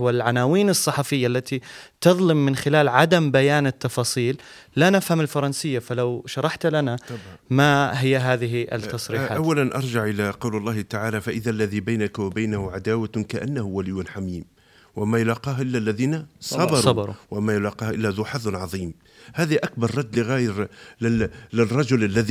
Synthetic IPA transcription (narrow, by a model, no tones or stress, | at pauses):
walʕanaːwiːnɨsˤːɑħɑfɪjːaʔlːat̪it̪ɨðˤlɪmːɪnxɪlaːlʕad̪ambajaːnɪt̪ːɑfɑːsˤiːlː | anɪfhamɪlfɑɾˤɑnsɪjːafalawʃɑɾˤɑħt̪lanamaɦɪjːaɦaːðɪɦiʔɪ̰t̪ːɑsˤɾiːħaːʔawːalanʔɑɾˤd͡ʒɪʕʔɪlaqɑwlɑlˤːɑːht̪aʕaːlafaʔɪðalːaðibajnakwabajnahʊʕad̪aːwakaʔanːahʊwalɪjːʊnħamiːm | wamajʊlaːqiːɦʔɪlːalːaðiːnasˤɑbɑɾsˤɑbɑɾˤṵwamajʊlaːqiːhʔɪlːaðʊħaðˤnʕɑðˤiːm | haːðaʔak̚bɑɾˤːɑd̪ːlɪɣaːjɾlɪlɪrˤːɑd͡ʒʊlʔalːaði